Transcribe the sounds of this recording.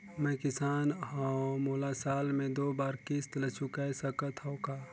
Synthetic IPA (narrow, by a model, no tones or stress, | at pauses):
mɛ̃kɪsaːnɦãmoːlasaːlmẽd̪oːbaːɾkɪst̪lət͡ʃukajsəkət̪ʰɦɔ̃kaː